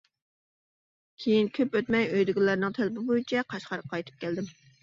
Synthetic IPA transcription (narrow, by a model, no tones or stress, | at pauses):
kʲʰejinkʲʰøpøt̪mɛjøjd̪ɪɡʲɪlːæɾnɨŋt̪ʰælɪbɪbojit͡ʃʰɛqʰɑʃqɑɾqʰːɑjt̪ʰɨ̥p̚kʲʰɛld̪ɪm